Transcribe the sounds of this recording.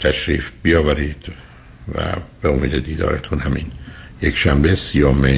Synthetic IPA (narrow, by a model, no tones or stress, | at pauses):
t̪ʰæʃɾḭːfb̥ijɒːvæɾiːd̪̥ | væ̰b̥eomiːd̪ed̪iːd̪ɒ̰ːɾet̪ʰunhæmḭnjekʃæmbesijɒːme